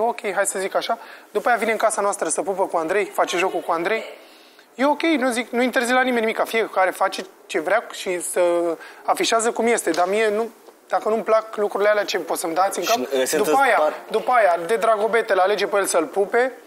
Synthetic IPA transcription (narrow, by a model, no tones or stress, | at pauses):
okʲe̞jɦaj̪səzikaʃad̪upajavine̞ɨŋkasanoast̪ɾəsəpupəkuand̪ɾe̞jfat͡ʃe̞ʒo̞kukuand̪ɾe̞j | je̞o̞kʲe̞jnuziknuint̪e̞rzilanimenimikːafijekaɾe̞fat͡ʃe̞ | t͡ʃe̞vɾeaʃisəafiʃiazəkumje̞st̪e̞d̪amije̞nud̪̥akənumplaklukɾuɾilealeat͡ʃe̞po̞t̪səmd̪at̪sʲɨŋkpd̪upajad̪upəajad̪e̞d̪ɾaɡo̞be̞t̪elale̞d͡ʒepejelʲsəlpupe̞